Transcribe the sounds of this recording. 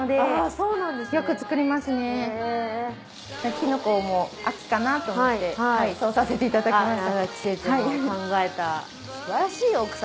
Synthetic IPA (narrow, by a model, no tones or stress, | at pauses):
nod̪e̞asoːnãnd̪esjo̞kɯ̟t͡sɨ̥kɯ̟ɾʲimasɨne̞ | nakʲinoko̞ːmo̞akʲi̥kanat̪oːmoitt̪ːe̞ahaiso̞ːsase̞t̪e̞it̪ad̪akkimaɕit̪aaki̥set̪aiãŋɡae̞t̪a | sɯbaɾaɕiːokɯ̟̥s